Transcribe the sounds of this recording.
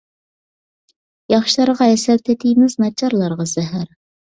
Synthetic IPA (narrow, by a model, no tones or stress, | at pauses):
jɑχʃlˠɑɾʁɑɛsɛlt̪ʰɛt̪ʰijmɪznɑt͡ʃʰɑɾlˠɑɾʁɑz̥ɛɦæɾ